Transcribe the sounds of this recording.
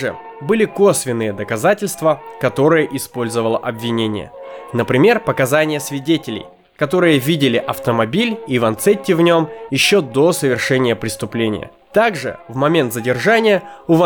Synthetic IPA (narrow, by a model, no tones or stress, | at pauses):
ɨ̰ | bɨlʲɪko̞svʲɪnːɨjəd̪əkɐzatʲɪlʲst̪vəkɐt̪o̞ɾɨjəʔɪspo̞lʲzəvəlˠəʔɐbvʲɪnʲenʲɪ̰jə̰nəpɾʲɪmʲe̞rpəkɐzanʲɪjəsvʲɪdʲetʲɪlʲɪ̰j | kɐt̪o̞ɾɨjəvʲidʲɪlʲɪʔɐft̪əmɐbʲilʲivɐnt̪sɛtʲːɪvnʲo̞mjɪɕːo̞d̪o̞səvʲɪrʂɛnʲɪjəpɾʲɪst̪ʊplʲenʲɪ̰jə̰ | t̪aɡʐɨ̰vmɐmʲe̞nt̪zədʲɪrʐanʲɪjəʊvɐ